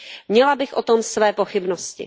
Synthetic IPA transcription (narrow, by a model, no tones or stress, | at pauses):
mɲɛlabɪxʔot̪omsvɛːpoxɪbnoscɪ̰